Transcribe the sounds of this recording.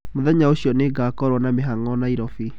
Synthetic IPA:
moðɛɲaoɕiɔneɡakɔɾwɔnameɦaŋɔnaiɾɔfi

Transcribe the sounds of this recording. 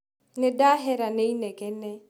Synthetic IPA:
nɪdaɦɛɾaneinɛkɛnɛ

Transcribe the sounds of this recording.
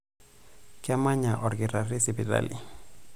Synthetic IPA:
kamaɲaʔɔɾɡiɾarisibiɾa̰li

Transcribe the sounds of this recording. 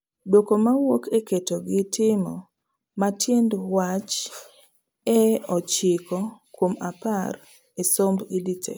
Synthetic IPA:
dwokomawokeketoɡɪtʰɪmɔ̰ | matʰjendwat͡ʃ | ɛɔt͡ʃɪkɔkwomapar | esombiditʰḛ

